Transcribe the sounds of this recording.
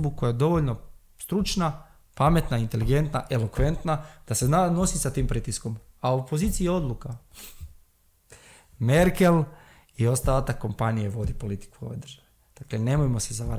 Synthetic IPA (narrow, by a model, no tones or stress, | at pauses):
bukojajed̪o̞ʋoʎno̞ | st̪ɾut͡ʃna | pame̞t̪naint̪e̞liɡe̞nt̪naʔe̞lo̞kʋe̞nt̪nad̪̥aseano̞sisat̪iːmpɾiːt̪isko̞mauopo̞ziːt̪sieo̞d̪lˠuka | me̞ɾke̞l | io̞st̪alat̪ako̞mpanijeʋo̞d̪ipo̞lit̪i̥kuo̰ʋejd̪rʒ̥aʋeed̪̥aklene̞mojmo̞sezaʋaɾ